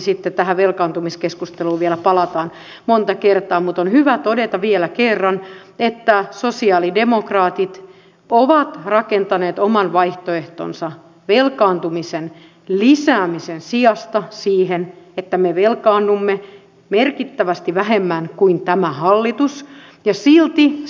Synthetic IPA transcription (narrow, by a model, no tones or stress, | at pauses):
sit̪ːet̪æhæʋelkɑːnt̪umiskeskust̪eluːʋielæpɑlɑt̪ɑːn | mont̪ɑkert̪ɑːmut̪onhyʋæt̪odet̪ɑʋielækerːɑnet̪ːæsosiɑːlidemokrɑːt̪it̪ | oʋɑt̪rɑkent̪ɑneːt̪omɑnʋɑiht̪oeht̪o̰nsɑ | ʋelkɑːnt̪umisen | lisæːmisensiɑst̪ɑsiːɦenet̪ːæmeʋelkɑːnːumːe | merkit̪ːæʋæst̪iʋæɦemːænkuint̪æmæhɑlːit̪us | jɑsilt̪i